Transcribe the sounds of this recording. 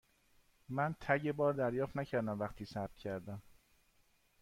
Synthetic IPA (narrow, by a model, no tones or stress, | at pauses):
mænt̪ʰæɟe̞bɒːɾd̪æɾjɒːft̪næcʰæɾd̪æmvæxt̪ʰiːsæb̚t̪̚cʰæɾd̪æm